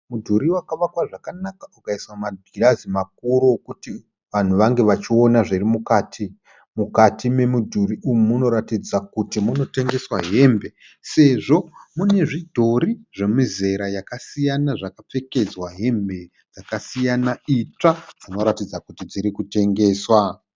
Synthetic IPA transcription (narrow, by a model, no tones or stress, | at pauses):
mudʱuɾiwakaʋakwaʐakanakaukaiswamaɡʱirazimak̚uɾokuti | ʋan̤uʋaŋɡe̞ʋat͡ʃio̞naʐirimukaːtʰi | mukatʰime̞mudʱuriʔumumuno̞ɾatid͡zakutimuno̞te̞ŋɡe̞swaɦe̞ːmbe̞ | se̞ʐo̞mune̞ʐidʱo̞ɾiʐe̞mize̞ɾajakasijanaʐakap͡fe̞ke̞d͡zwaɦe̞mbe̞ | d͡zakasijanait͡ʂad͡zino̞ɾatid͡zakutid͡ziɾikute̞ŋɡe̞ːswa